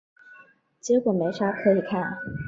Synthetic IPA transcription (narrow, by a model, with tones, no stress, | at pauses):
t͡ɕjɛ˧˥kwɔ˨˩me˧˥ɪʂa˥kʰɤ˧˥i˨˩kʰa˥˩n